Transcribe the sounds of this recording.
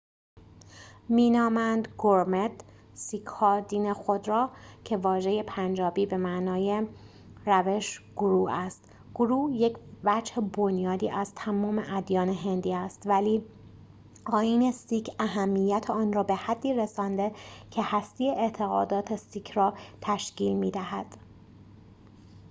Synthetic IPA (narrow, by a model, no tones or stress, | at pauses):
miːnɒːmænd̪ɡoɾmet̪ | sikʰhɒːd̪iːnexod̪ɾɒːcʰe̞vɒːʒe̞je̞pʰænd͡ʒɒːbiːbe̞mæʔnɒːje | ræve̞ʃɡ̥oɾuːæst̪ | ɡ̥oɾuːje̞cʰvæd͡ʒhebonjɒːd̪iːʔæzt̪ʰæmɒːme̞ʔæd̪jɒːneɦe̞nd̪iːæst̪væliː | ɒːjiːne̞siːcʰæɦæmːijːæt̪ʰeɒːnrɒːbe̞hæd̪ːiːɾesɒːnd̪e̞cʰe̞hæst̪ijeʔet̪ʰe̞ɣɒ̰ːd̪ɒːt̪ʰe̞siːkʰrɒːt̪ʰæʃciːlmiːd̪æɦæd̪̥